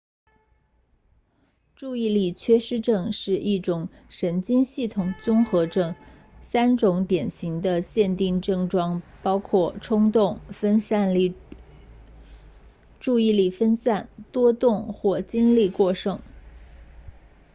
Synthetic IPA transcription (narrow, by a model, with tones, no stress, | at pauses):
ʈ͡ʂu˥˧i˥˧li˥˩t͡ɕʰɥɛ˥ʂɻ̩˥ʈ͡ʂɤ˥˧ŋʂɻ̩˥˧ʔi˥˩ʈ͡ʂʊ˨˩ŋ | ʂə˧˥nt͡ɕi˥nɕi˥˩t̪ʰʊ˨˩ŋt͡sʊ˥ŋxɤ˧˥ʈ͡ʂɤ˥˩ŋ | sa˥nʈ͡ʂʊ˧˥ŋt̪jɛ˨˩nɕi˧˥ŋd̪ə˧ɕjɛ˥˧nt̪i˥˧ŋʈ͡ʂɤ˥˩ŋʈ͡ʂwɑ˥ŋpɑ˥ʊkʰwɔ˥˩ʈ͡ʂʰʊ˥ŋt̪ʊ˥˩ŋ˥˧n˥˩ | ʈ͡ʂu˥˧i˥˧li˥˩fə˥nsa˥˩nt̪wɔ˥t̪ʊ˥˧ŋxwɔ˥˩t͡ɕi˥nli˥˧kwɔ˥˩ʂɤ˥ŋ